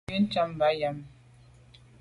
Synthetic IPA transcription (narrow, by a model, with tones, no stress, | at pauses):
i˦n̩˦t͡ʃa˦˨m˨ba˦ja˨m